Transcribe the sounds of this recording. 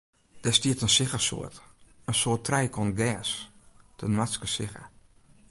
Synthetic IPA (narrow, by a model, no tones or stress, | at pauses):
d̥ɛstiətənsɪxəso̰ət | ənsoətʰrɛjkʰɔnɡɛːstʰənʋaskəsɪxə̰